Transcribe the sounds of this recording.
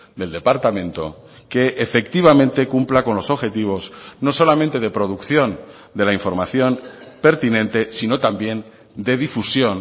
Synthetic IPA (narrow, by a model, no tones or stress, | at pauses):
d̪e̞ld̪e̞paɾt̪amẽ̞nt̪o̞̰ | ke̞ʔːfe̞kt̪iβ̞amẽ̞nt̪e̞kumplako̞nlo̞so̞βxe̞t̪iβ̞o̞zno̞so̞lamẽnt̪e̞ðe̞pɾo̞ðukθjo̞n | d̪e̞laiɱfo̞ɾmaθjo̞npe̞ɾt̪inẽ̞nt̪e̞sino̞t̪ambje̞n | d̪e̞ðifusjo̞n